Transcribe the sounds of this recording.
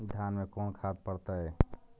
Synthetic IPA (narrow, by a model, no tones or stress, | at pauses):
d̪ʱjanmekonkʰad̪̚pəɾt̪ə